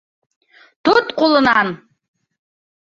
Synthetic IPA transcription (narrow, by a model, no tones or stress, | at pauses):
tʰutqʼʊlɨnan